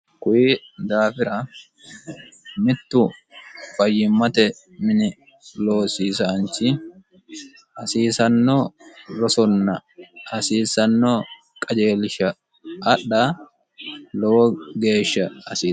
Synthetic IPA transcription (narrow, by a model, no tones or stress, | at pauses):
kʊjiːd̪aːfɪɾɐ | mɪt̪ːʊ | fɐjːɪmːɐt̪ɛ | mɪnɪ | lo̞ːsiːsant͡ʃɪ | ʔɐsiːsɐnːoɾɔsɔnːɐɐsiːsɐnːoː | kʼɐd͡ʒe̞ːlɪʃɐː | ɗːa | lɔwɔɡe̞ːʃːɐɐsiː